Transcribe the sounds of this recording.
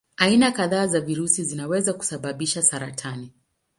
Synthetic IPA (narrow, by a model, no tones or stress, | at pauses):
ainakaðaːzaviɾusizinawɛzaku̥saɓaɓiʃasaɾatʰani